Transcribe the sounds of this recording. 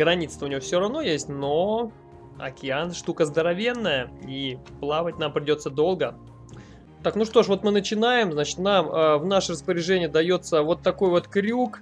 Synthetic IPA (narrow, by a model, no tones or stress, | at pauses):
ɡɾɐnʲit̪st̪vəʊnʲɪvʲofsʲoɾɐvno̞jesʲtʲno | ɐ̰kʲɪanʂt̪ukəzd̪əɾɐvʲenːəjəiplˠavət̚ʲnampɾʲɪdʲo̞t̪səd̪o̞lˠɡə | t̪aknuʂt̪o̞ʂvo̞t̪mɨnət͡ɕɪnajɪmznat͡ɕɪ̥t̪naməvnaʂərəspəɾʲɪʐɛnʲɪjəd̪ɐjo̞t̪səvo̞t̪ːɐko̞jvo̞t̪kɾʲuk